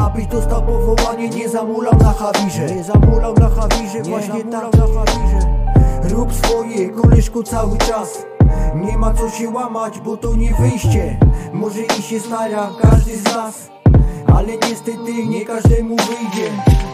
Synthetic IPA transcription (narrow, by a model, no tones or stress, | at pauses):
abɘʑd̪ɔst̪awpɔvɔvaɲɛɲɛzamulawnaxavʲiʐɛzamulawnaxavʲiʐɛvwaɕɲɛt̪awnaxavʲiʐɛɾupsfɔjɛkɔlɪʂkɔt̪sawɘt͡ʂas | ɲɛmat̪sɔɕɛwamad͡ʑbɔt̪ɔɲɛvɘjɕt͡ɕɛmɔʐɛiɕɛst̪aɾakaʐd̪ɘznas | a̰lɛɲɛst̪ɛt̪ɪɲɛkaʐd̪ɛmuvɘjd͡ʑɛ